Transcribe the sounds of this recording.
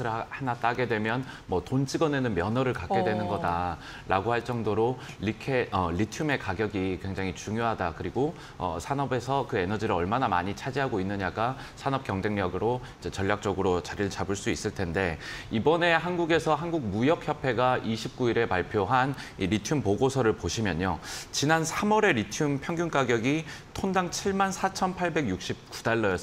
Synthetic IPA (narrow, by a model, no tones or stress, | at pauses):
ɯhanat͈aɡe̞dwe̞mjʌn | mʌtont͡ɕʰiɡʌne̞nɯnmjʌnʌɾɯɭkak̚k͈e̞dwe̞nɯnɡʌda | ɾʔa̰ɡohaɭt͡ɕ͈ʌŋdoɾo | likʰeʌʎitʰjume̞kaɡjʌɡikwe̞ŋd͡ʑaŋit͡ɕuŋjoɦadakɯɾiɡo | ʌ̰sʰanʌbe̞sʰʌkɯe̞nʌd͡ʑiɾɯɭʌɭmanama̰ɲit͡ɕʰad͡ʑiɦaɡoinːɯɲaɡa | sʰanʌp̚k͈jʌŋd͡ʑe̞ŋɲʌɡɯɾo | id͡ʑe̞t͡ɕʌʎːak̚t͡ɕ͈ʌɡɯɾot͡ɕaɾiɭt͡ɕabɯɭs͈uis͈ɯɭtʰe̞nde̞ibʌne̞ɦanɡuɡe̞sʰʌɦanɡuɡ̚mujʌk̚çjʌpʰe̞ɡaʔiɕʰip̚k͈uiɾe̞paɭpʰjoɦan | iɾitʰjumpoɡosʰʌɾɯɭpoɕʰimjʌɲot͡ɕinansʰamʌɾe̞ɾitʰjumpʰjʌŋɡjunk͈aɡjʌɡi | tʰondaŋt͡ɕʰiɭmansʰat͡ɕʰʌnpʰaɭbe̞ɡjuk̚ɕ͈ip̚k͈u̥daɭːʌjʌ